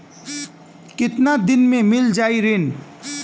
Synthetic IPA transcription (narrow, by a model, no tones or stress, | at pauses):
kɪt̪nad̪ɪnmẽmɪld͡ʒaːiɾɪn